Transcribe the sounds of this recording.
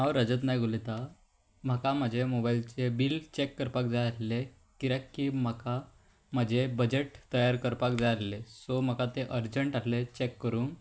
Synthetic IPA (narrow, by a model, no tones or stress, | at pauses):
ɦawɾəd͡zət̪najɡʱolet̪a | m̤akam̤əd͡ʑʱemobailt͡sebilt͡ɕekːəɾpak̚d͡zaalle | kiɾakːim̤aka | m̤əd͡ʑʱebəd͡ʑeʈt̪əjaɾkəɾpakd͡zaallesom̤əkat̪eʔəɾd͡ʑəɳʈallet͡ɕekːəɾuːn